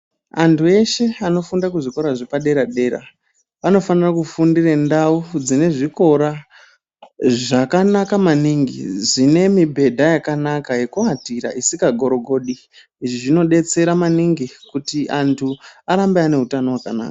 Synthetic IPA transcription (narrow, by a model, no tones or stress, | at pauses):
a̰ntʰue̞ʃe̞ano̞fundakuʐiko̞ɾaʐepaɗe̞ɾaɗe̞ːra̰ | ano̞fanirakufundirendaud͡zine̞ʐiko̞ɾa | ʐakanakamaniŋɡḭzine̞mibʱe̞dʱajakanakaje̞kuatiɾa̰isikaɡʱo̞ɾo̞ɡʱo̞ɗi | iʐiʐino̞ɗe̞t͡se̞ɾamaniŋɡikutiʔantʰuaɾambeane̞ɦutano̞wakana̰ːkḁ